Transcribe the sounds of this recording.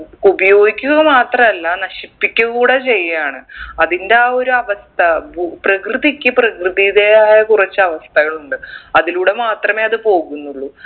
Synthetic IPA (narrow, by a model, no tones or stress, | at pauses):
ubɐjo̞ːɡikʲːuɣɐmaːt̪rɐmɐlːɐnɐɕipːikʲːɐɣuːɽet͡ɕe̞jːaːɳɨɐðindeaːo̞ɾuɐʋɐst̪ʰɐbuprɐkrɨðikʲːɨprɐkrɨðijiðe̞aːjɐkurɐt͡ɕːɐʋɐst̪ʰɐɣɐɭuɳɖɨɐðiluːɽe̞maːt̪rɐme̞ːɐðɨpo̞ːɣunːuɭːu